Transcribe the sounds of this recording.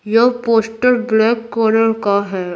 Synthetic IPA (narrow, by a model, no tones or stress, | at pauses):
jopoːsʈəɾblɛːkːɔːɾəlkaɦɛː